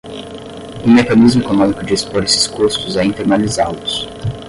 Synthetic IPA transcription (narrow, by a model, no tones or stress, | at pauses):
ʊ̃mekɐnizmʊekonõmikʊd͡ʒɪispoɾesɪ̥skust̪ʊzɛĩnt̪eɾnalizalʊs